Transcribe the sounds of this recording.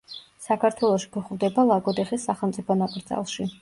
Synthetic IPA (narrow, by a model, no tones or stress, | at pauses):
sakʰaɾt̪ʰwɛlˠɔʃi̥kʰuχvd̪ɛbalˠaɡʼɔd̪ɛχisːaχɛlˠmt̪sʼipʰɔnakʼɾd̪za̰lˠʃi